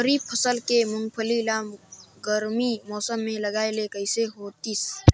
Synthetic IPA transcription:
əɾiːb̚pʰəsəlkemʊŋɡpʰəlilaːmɡəɾmimɔːsəmːẽlɐɡaːelekəɪseɦoːt̪is

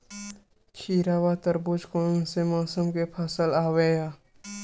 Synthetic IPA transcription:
t͡ʃʰiːɾaːwaːt̪əɾbʊt͡ʃkoːñsemaːsəmkepʰasəlaːwejaː

